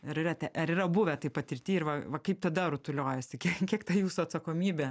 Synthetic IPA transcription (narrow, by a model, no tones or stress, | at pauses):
ɐɾɪrɐt̪ʲɛʔɐɾɪrɾɐbʊʋʲɛt̪ɐɪpɐt̪ʲɪɾʲt̪ʲiːɪrʋɐʋɐkɐɪp̚t̪ɐd̪ɐɾʊt̪ʊlʲoːjɛsʲɪkʲiɛkkʲiɛkt̪ɐjuːsʊɐt̪sɐkoːmʲiːbʲeː